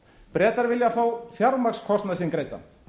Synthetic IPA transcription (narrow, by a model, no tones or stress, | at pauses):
pɾɛːt̪aɾvɪljaθawfjaɾmakskʰɔst̪nasɪnkɾeːjt̪a̰